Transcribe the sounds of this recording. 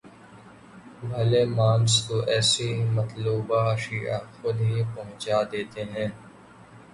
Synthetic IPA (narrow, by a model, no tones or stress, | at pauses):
bʱɐlemãːmst̪oʔɛːsemɐt̪luːbaʃiːa̰xʊd̪ɦipɐɦʊ̃t͡ʃaːd̪eːt̪eɦɛ̃ː